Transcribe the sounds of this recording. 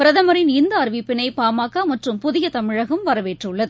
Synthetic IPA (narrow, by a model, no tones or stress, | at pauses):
pɪɾɐðɐmɐɾɪnɪnd̪ɐɐɾʋipːɪnɐɪpaːmaːkːamɐʈrɯmpʊðɪjɐt̪ɐmɪɻɐɣɐmʋɐɾɐʋeːʈrɯɭːɐðɯ